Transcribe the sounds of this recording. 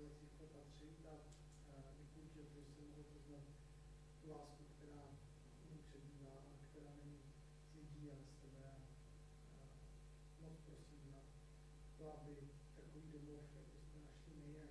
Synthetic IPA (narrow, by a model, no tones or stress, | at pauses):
zɛzɪxkopat̪r̝̥ɪ | a | vɪpouʒɪlt̪oʒɛsɛmoɦot̪ozlat̪ | t̪ulaːskukt̪ɛɾaː | nɛɲipr̝̥ɛbiːvaːʔakt̪ɛɾaːnɛɲi | zɪɟiːalɛst̪ɛbɛ | mot͡spɾosida | t̪oabɪ | t̪akoviːdomofjakbɪst̪ɛnaʃlɪmɪjɛ